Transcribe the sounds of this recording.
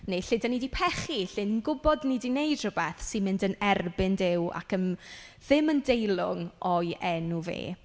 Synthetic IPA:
neɬɪdanidipʰɛχiɬɪnnɡʊbɔdnidinejd̥r̥ʊbɛθsɪnmɪndənɛrbɪndɪwa̰kən | ð̥ɪməndejlˠʊŋɔjʔɛnuvḛː

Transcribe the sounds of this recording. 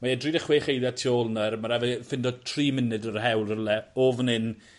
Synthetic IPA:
maɛdridəχweːχejðjatʰioːlˠnərmaɾavɛfɪndɔdtʰriːmɪnɨdərhɛwlˠəlɛoːvnɪn

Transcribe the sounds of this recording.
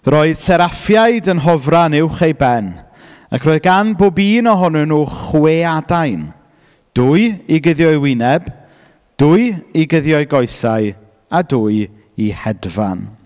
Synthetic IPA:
rɔɨð̥sɛɾafjaɨdənɦɔvranɪwχejbɛn | akʰrɔːɨðɡanboːbiːnɔɦɔnʊnuχweadajn | d̥ʊɨiɡəðjɔjwɪnɛb | d̥ʊɨiɡəðjɔɨɡɔjsaj | aduːɨ | ihɛdva̰n

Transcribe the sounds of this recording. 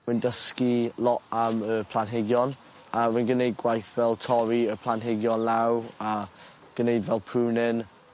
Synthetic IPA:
wɪndəskilˠɔʔəməpʰl̥ˠanɦɪɡjɔn | awinɡənejd̚ɡwajθvɛlˠtʰɔɾiəpʰlˠanɦɪɡjɔnlawa | ɡ̥ənejdvɛlˠpʰruːnɪn

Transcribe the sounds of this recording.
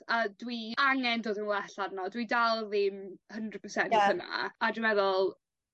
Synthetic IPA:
adwiaŋɛndoːdənlɛɬaɾnɔdwidalˠðɪmhəndrəd̚pʰəsɛnttəna̰adəvɛðɔlˠ

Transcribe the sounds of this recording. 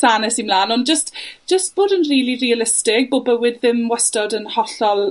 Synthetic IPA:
saːnɛsimlaːnɔnd͡ʒəstʒ̥əst̚b̥oːdənriːlirialɪstɪɡ̚boːbəwɪdðɪmwɛstɔdənhɔɬɔlˠ

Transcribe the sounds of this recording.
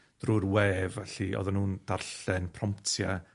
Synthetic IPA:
d̥rurwɛːvɛɬiʔɔ̰ðanuːnd̥arɬɛnpʰrɔmptʰja

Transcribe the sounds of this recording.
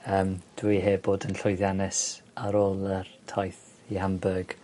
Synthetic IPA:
əːmd̥wiɦeːboːdənɬʊjðjanɪsaɾoːlˠərtʰajθ | ihambəɡ̥

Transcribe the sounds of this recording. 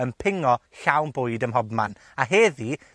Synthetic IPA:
ənpʰɪŋɔɬawnbʊɨdəmɦɔdma̰n | aɦeːði

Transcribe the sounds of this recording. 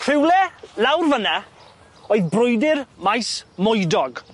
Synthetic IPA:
r̥ɪwlɛlawrvəna | oːɨðbrʊjdɪrmajsmʊjdɔɡ

